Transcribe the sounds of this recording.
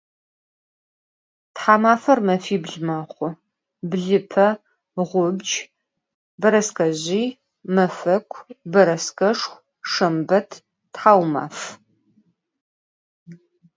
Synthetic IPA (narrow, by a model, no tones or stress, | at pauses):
tħaːmaːfɐrmɐfiːbɮmɐχʷʊ | bɮɨpʰɐ | ʁʷʊbd͡ʒ | bɐɾɐskɐʑiː | mɐfɐkʷʰbɐɾɐskɐʂxʷ | ʂɐmbɐtʰ | tħaːwma̰ːf